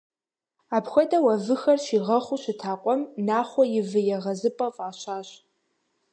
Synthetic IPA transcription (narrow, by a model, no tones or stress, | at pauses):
aːpxʷɔdɐwɐvɨxɐrʃiːʁɐχʷuɕɪtʰaːqʷʼɔmnaːχʷɔjɪvɨjɛʁɐzɨpʼɐfʼaːɕaːɕ